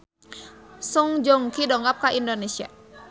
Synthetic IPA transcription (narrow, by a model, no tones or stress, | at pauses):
suŋd͡ʒɔŋkidɔŋɡap̚kaʔindonesia̰